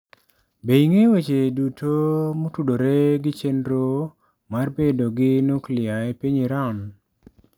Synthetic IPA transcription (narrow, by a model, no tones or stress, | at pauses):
beiŋewet͡ʃedutʰomotudoɾeɡɪt͡ʃenɾo | marbedoɡɪnoklɪaepiɲiɾan